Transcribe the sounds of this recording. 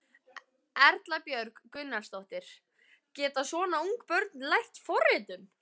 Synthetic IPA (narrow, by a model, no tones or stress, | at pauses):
ɛɾt̪lapjœɾkkʏnːḁst̪owht̪ɪɾ̥ | cɛːt̪asvɔːnauŋkpœɾt̪nlajht̪fɔrːɪt̪ʏm